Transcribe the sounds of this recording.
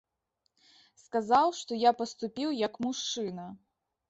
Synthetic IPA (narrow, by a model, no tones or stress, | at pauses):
skazawʂt̪ɔjapɐst̪upʲiwjɐkmuʂt͡ʂɨnɐ